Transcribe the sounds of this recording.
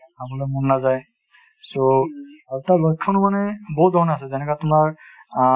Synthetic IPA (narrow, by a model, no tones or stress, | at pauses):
ɦamɔlɔjmɔnnazaj | soaɹutalɔjkʰːɔnumanɛbɔɦut̚d̪ʱɔɹɔnasɛzɛnɛkatʊmaɹ